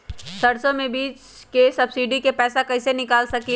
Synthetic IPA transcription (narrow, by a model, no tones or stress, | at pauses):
sɐɽsõmẽbiːt͡ʃ | kesɐbsiːɖikepɛːsakɐɪsenɪkaːlsɐki